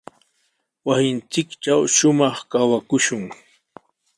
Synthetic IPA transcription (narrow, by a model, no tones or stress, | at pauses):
wasɪnt͡sɪkʈ͡ʂawʃʊmɑχkawakʊʃʊŋ